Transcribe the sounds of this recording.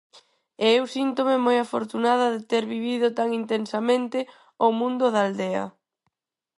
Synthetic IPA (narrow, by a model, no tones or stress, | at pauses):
ɛɛwsint̪omemojafoɾt̪unaðɐðet̪ɛɾβiβiðʊt̪aŋint̪ensɐmẽnt̪ɪ | omũnd̪ʊðaːld̪ɛɐ̰